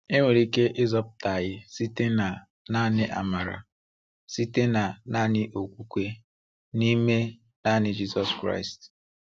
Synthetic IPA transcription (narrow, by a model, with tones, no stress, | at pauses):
e˦ŋʷe˨ɾi˦ke˦ʔɪ˦zɔ˦p̚ʊ˦ta˨ɣɪ˦si˦te˦na˨ | na˦nɪ˦ʔa̰˨ma˨ɾa̰˨ | si˦te˦na˨na˦nɪ˦ʔo˨kʷu˦kʷe˦ | ni˦me˦ | na˦˨nɪ˦d͡ʒi˦sɔ˦skɾa̰˦ɪ˨st